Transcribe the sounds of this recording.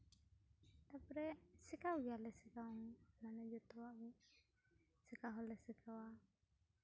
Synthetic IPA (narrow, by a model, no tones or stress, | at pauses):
t̪apɾɛsɛkawɡɛjalɛsɛkaɔŋmanɛd͡ʒɔt̪ɔwaʔwɛ | sɛkaɦɔlɛsɛkʰawa